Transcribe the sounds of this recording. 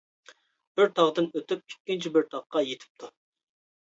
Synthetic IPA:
b̥ɪɾt̪ʰɑʁd̪ɨnøt̪yp̚ikʲːint͡ʃʰibɪɾt̪ʰɑʁqːɑjet̪ʰɪ̥p̚t̪ʰu

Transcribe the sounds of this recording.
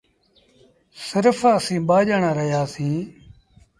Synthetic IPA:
sɪɾfəsĩːɓaːʄəɳaːɾəɦjaːsĩː

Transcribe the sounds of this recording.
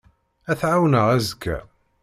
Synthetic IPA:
æθʕawnəʁæzəkːæ̰

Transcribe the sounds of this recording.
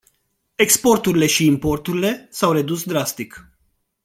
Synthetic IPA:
e̞kspo̞rt̪uɾile̞ʃiːmpo̞rt̪uɾile̞sawre̞d̪usd̪ɾast̪ik

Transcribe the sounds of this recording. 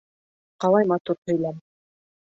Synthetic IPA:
qɑlˠɑjmɑt̪uɾhɵ̆jlæm

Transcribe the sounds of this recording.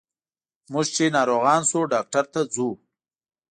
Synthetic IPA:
mʊʒt͡ʃenɑːɾoɣɑːnsuɖɑːk̚ʈaɾt̪ad͡zu

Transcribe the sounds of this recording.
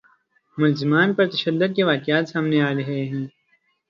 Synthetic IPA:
mʊlzɪmaːnpɐɾt̪ɐʃɐd̪ːʊd̪̚keʋaːkɪjaːt̪saːmneaːɾeɦeɦɛ̃ː

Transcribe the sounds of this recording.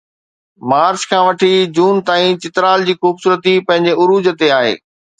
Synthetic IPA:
maːɾt͡ɕkʰãːʋɐʈʰid͡ʑuːnt̪aːĩt͡ɕɪt̪ɾaːld͡ʑiːxuːbsuːɾət̪ipɐ̃ɦɪ̃ɲd͡ʑeʊɾuːd͡ʑət̪eaːɦḛː

